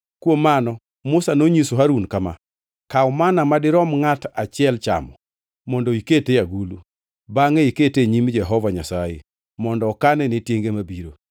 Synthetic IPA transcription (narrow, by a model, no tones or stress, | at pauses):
kwomanɔ | mʊsanoɲisoɦaɾunkama̰ | kaɔmanamadɪɾɔmŋatat͡ʃɪɛlt͡ʃa̰mɔ | mɔndoiketejaɡulu | baŋeiketeɲimd͡ʒɛɦɔvaɲasajḛ | mɔndɔːkanɛnetjeŋɡemabiɾo̰